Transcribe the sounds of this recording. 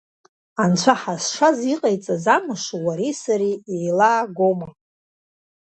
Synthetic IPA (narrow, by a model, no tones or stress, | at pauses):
ant͡ɕʷʰaħasʂaziqʼajt͡sʼazamɨʂawaɾisaɾiejlaːɡʷoma